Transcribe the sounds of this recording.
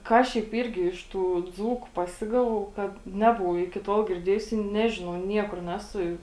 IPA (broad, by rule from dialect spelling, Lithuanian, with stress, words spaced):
ˈkɑː ʃʲɛɪp ˈiːrʲɡʲɪ ɪʃ tuː ˈd͡zuːkʊ pɐˈsʲɪɡɐʋɐʊ ˈkɐt ˈnʲæːbʊʋɐʊ ɪkʲɪ ˈtoːlˠ ɡʲɪrʲˈdʲeːjʊs ɪ ˈnʲæːʒʲɪnɐʊ ˈnʲiɛkʊr ˈnʲæːsʊ